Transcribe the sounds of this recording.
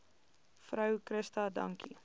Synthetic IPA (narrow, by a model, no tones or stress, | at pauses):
fɾœwkɾəstɐdɐ̰ŋkḭ